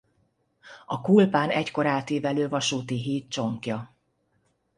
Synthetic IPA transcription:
ɒkulpaːnɛcko̞ɾaːt̪eːvɛløːvɒʃuːt̪iɦiːt̪̚t͡ʃo̞ŋkjɒ

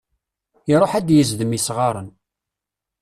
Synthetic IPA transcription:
iɾˤoħæd̪jəzðəmisʁɑɾˤən

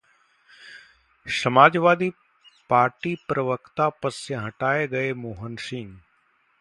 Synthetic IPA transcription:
sɐmaːd͡ʒʋaːd̪i | paːɾʈipɾəʋəkt̪apɐsjəɦɐʈaːeɡɐemoːɦənsɪ̃ŋɡ

